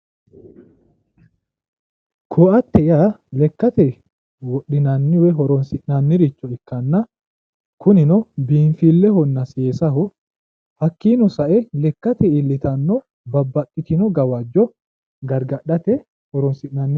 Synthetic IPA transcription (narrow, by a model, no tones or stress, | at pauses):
kʰoːɐt̪ːɛɪalɛkːɐt̪ɛ | wɔɗɪnanːɪwɛɦɔɾɔnsɪʔnanːɪɾɪt͡ʃːɔɪkːɐnːɐ | kʊnɪnɔbiːnfiːlːɛhɔnːɐseːsɐhʊ | hɐkːiːnɔsɐʔɛlɛkːɐt̪ɛɪlːɪt̪ɐnːɔ | bɐbːɐtʼːɪt̪ɪnɔɡɐwɐd͡ʒːɔ | ɡɐɾɡɐɗɐt̪ɛ | hɔɾɔnsɪʔnaːnːɪ